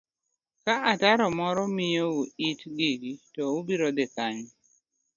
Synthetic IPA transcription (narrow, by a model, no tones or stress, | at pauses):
kaʔataɾɔmɔɾɔmijouitɡiɡitɔubiɾɔd̪ekaɲ